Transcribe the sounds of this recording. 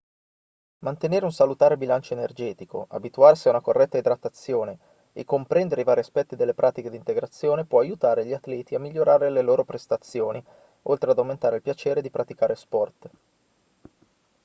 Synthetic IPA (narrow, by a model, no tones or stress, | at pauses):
mant̪eneːɾeunsalut̪aːɾebilant͡ʃoenerd͡ʒɛːt̪iko̰ʔa̰bit̪uarsiaunakorːɛt̪ːaed̪ɾat̪ːat̪sːjoːne | ekːompɾɛnd̪eɾeivaːɾiaspɛt̪ːid̪elːepɾʔaːt̪iked̪int̪eɡɾat̪sːjoːnepwɔajut̪aːɾeʎiat̪lɛːt̪iamːiʎːoɾaːɾeleloːɾopɾest̪at̪sːjoːni | ʔolt̪ɾead̪awment̪aːɾeilpjat͡ʃeːɾed̪ipɾat̪ikaːɾespɔrt̪